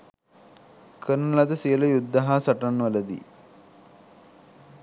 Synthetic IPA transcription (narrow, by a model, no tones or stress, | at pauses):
kʰəɾnɐlad̪əsiələjud̪ːaɦaːsɐʈanʋɐləd̪ḭː